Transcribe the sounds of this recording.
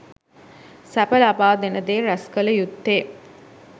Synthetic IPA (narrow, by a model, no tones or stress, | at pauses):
sæpəlabaːd̪enəd̪eːɾæskələjut̪ːeː